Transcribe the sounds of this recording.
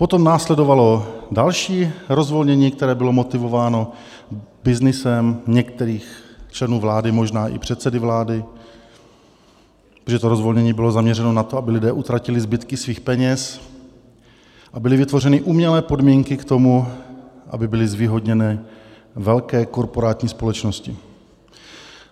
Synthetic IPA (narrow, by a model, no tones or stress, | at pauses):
po̞t̪o̞mnaːslɛdovalo̞dalʃiːɾo̞zvo̞lɲɛɲiːkt̪ɛɾɛːbɪlo̞mo̞t̪ɪvo̞vaːno̞ | bɪznɪsɛmɲɛkt̪ɛɾiːxt͡ʃlɛnuːvlaːdɪmo̞ʒnaːʔɪ̰pr̝̥ɛt̪sɛdɪvlaːdɪ | oʒɛt̪oɾo̞zvo̞lɲɛɲiːbɪlo̞zamɲɛɾɛno̞nat̪oabɪlɪdɛːʔut̪ɾacɪlɪzbɪt̪kɪsviːxpɛɲɛs | ʔabɪlɪvɪt̪vo̞rɛnɪʔuːmɲɛlɛːpo̞dmiːŋkɪkt̪o̞muʔa̰bɪbɪlɪzviːɦo̞dɲɛnɛː | vɛlkɛːko̞ɾpo̞ɾaːt̪ɲiːspo̞lɛt͡ʃnoscɪ